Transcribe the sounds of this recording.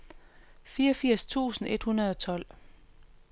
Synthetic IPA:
fiːɒfiɐ̰st͡sʰṵːsn̩e̝d̥hunɐð̞ˠɒ̽t͡sʰɒ̽l̰

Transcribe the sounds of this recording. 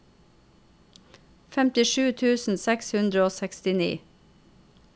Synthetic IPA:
fɛmt̪ɪʃʉːt̪ʰʉːsn̩sɛkshʉnd̪ɾəoːsækst̪ɪnḭː

